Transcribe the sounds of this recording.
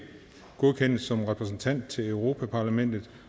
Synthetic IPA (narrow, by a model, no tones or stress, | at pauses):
ɡ̥o̝ðˠkʰen̰sɒ̽mʁɛpʰʁɛs̬n̩t͡sʰæn̰d̥̚t͡sʰe̝løʊʁo̝ːpʰæpʰɑ̈læmen̰d̥ð̩ˠ